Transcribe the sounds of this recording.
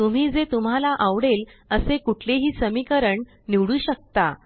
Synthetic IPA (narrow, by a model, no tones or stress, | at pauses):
t̪um̤iːd͡zet̪um̤alaʔaʋɽeləsekuʈʰleɦiːsəmikəɾəɳ | niʋɽuːɕək̚t̪a